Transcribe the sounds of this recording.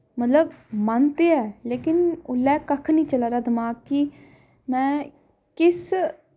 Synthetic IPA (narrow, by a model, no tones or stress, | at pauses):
mət̪ləbmaːnt̪eːɛːleːkɪnʊlːɛːkəkʰnĩːt͡ʃəlaːɾaːd̪əmaːɡ̚ki | mɛ̃ː | kɪs